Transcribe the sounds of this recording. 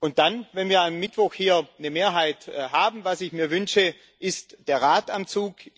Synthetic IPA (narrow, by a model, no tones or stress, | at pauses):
ʔʊnt̚d̥anvɛnviːɐamːɪtv̥ɔxhiːɐnəmeːɐɦaɪthaːbm̩vasɪçmiːɐvʏnʃə | ʔɪstd̥eːɐʁaːtamt͡suːk